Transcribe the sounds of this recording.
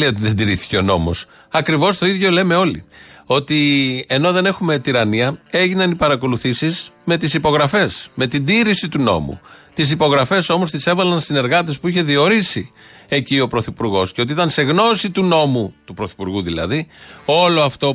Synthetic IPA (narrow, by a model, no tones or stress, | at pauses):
io̞t̪iðend̪iɾiθi̥ce̞o̞no̞mo̞̰s | ɐkɾivo̞st̪o̞iðʝo̞le̞me̞o̞lḭo̞t̪ie̞no̞ðe̞ne̞xume̞t̪iɾɐniɐe̞ʝinɐnipɐɾɐko̞luθisizme̞t̪isipo̞ɣɾɐfe̞sme̞t̪id̪iɾisit̪uno̞̰mṵt̪is̬ipo̞ɣɾɐfe̞so̞mo̞st̪ise̞vɐlɐnsine̞ɾɣɐt̪̬espuiçe̞ðio̞ɾisi | e̞cio̞pɾoθipuɾɣo̞sceot̪iit̪ɐnse̞ɣno̞sit̪uno̞mut̪upɾo̞θipuɾɣuðilɐ̰ðio̞lo̞ɐft̪o̞